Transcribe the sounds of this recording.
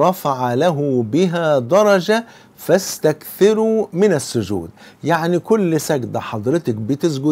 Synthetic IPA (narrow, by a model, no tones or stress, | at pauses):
ɾˤɑfaʕalæɦʊbɪɦæd̪ɑɾˤɑd͡ʒa | fæst̪ækθɪɾumɪnæsːʊd͡ʒṵːd̪ | jaʕnikʊlːsæɡd̪æħɑd̪ˤɾɪt̪ɑk̚bɪt̪ɪsɡʊ